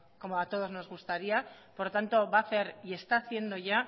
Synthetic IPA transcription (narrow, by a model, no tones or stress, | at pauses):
ko̞moat̪o̞ð̞o̞zno̞zɣust̪aɾia | po̞ɾt̪ant̪o̞βaθe̞ɾie̞st̪aːθje̞nd̪o̞ʝa